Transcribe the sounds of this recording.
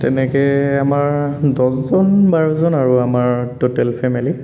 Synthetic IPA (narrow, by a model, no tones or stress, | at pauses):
tɛ̰nɛkɛamaɹdɔszɔnbaɹuzɔnaɹuamaɹtotɛlpʰɛmili